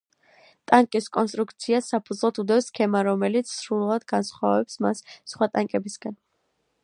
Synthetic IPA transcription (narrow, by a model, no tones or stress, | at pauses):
t̪ʼaŋkʼiskʼɔnst̪ʼɾukt̪sʰiasapʰud̪zlˠɔt̪ʰud̪ɛfskʰɛmaɾɔmɛlit̪sʰsɾulˠad̪ɡansχwavɛpsmasːχwat̪ʼaŋkʼɛbisɡan